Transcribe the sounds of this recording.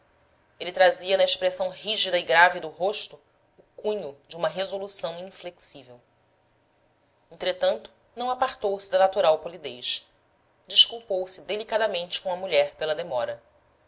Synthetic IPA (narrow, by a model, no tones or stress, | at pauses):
elɪt̪ɾaziɐnɐeʃpɾesɐ̃w̃ɦiʒid̪ɐiɡɾavid̪ʊɦoʃt̪ʊ | ʊkũɲʊd͡ʒɪũmɐɦezolusɐ̃w̃ĩfleksivew | ẽnt̪ɾet̪ɐ̃nt̪ʊ̥ | nɐ̃w̃apaɾt̪owsɪd̪ɐnat̪uɾawpolid̪ejʃ | d͡ʒiʃkuwpowsɪd̪elikad̪ɐmẽnt͡ʃɪ̥kõɐmuʎɛɾpelɐd̪emɔɾɐ